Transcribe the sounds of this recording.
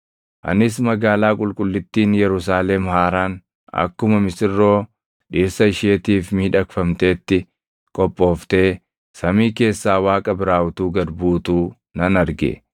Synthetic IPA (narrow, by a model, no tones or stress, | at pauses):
ʔɐ̰nɪs̬mɐɡaːlaːkʼʊlkʼʊlːɪt̪ːiːnjɛɾʊs̬aːlɛmhaːɾaːn | ɐ̰kːʊmɐmɪsɪrːo̞ː | ᶑiːsɐɪʃeːt̪iːfmiːᶑɐkfɐmt̪e̞ːt̪ːɪ | kʼɔpʼːo̞ːft̪e̞ː | sɐmiːke̞ːsːaːwaːkʼɐbɪɾaːwʊt̪uːɡɐd̪buːt̪uː | nɐnɐɾɡɛ̰